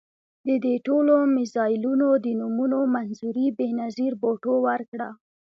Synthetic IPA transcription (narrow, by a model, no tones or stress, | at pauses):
d̪əd̪eʈolomɪzɑjɪlunod̪ənumunomanzuɾibenaziɾboʈowəɾkɽa